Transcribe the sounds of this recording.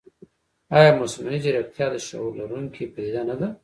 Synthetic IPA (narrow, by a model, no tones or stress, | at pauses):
ɑjɑmʊsmanid͡ʒiɾak̚t̪ʰjɑd̪əʃa̰wlaɾuŋkʰipəd̪id̪anad̪a